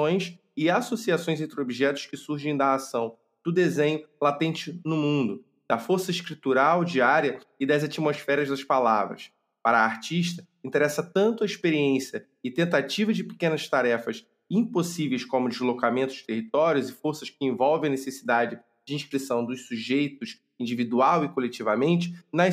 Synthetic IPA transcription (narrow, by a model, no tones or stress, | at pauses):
õj̃s | ɪasosiasõj̃zẽnt̪ɾɪobiʒɛt̪ʊʃkɪsuɾʒẽj̃d̪ɐasɐ̃w̃ | d̪̥ʊd̪ezẽɲʊlat̪ẽnt͡ʃɪnʊmũnd̪ʊ | d̪̥ɐfoɾsɐiʃkɾit̪uɾawd͡ʒiaɾjɐɪd̪ɐzat͡ʃimosfɛɾɐzd̪ɐʃpalavɾɐ̰s | paɾɐaɾt͡ʃiʃt̪ɐ | ĩt̪eɾɛsɐt̪ɐ̃nt̪ʊɐiʃpeɾiẽsiɐ | ɪt̪ẽnt̪at͡ʃivɐd͡ʒɪpɪ̥kẽnɐst̪aɾɛfɐs | ĩposivejskõmʊd͡ʒɪzlokamẽt̪ʊ̥d͡ʒɪ̥t̪eɦit̪ɔɾjʊzɪfoɾsɐʃkɪẽvɔwvẽj̃ɐnesesid̪ad͡ʒɪ | d͡ʒɪĩʃkɾisɐ̃w̃d̪ʊssuʒejt̪ʊs | ĩd͡ʒivid̪uawɪkolet͡ʃivɐmẽnt͡ʃɪ̥nɐ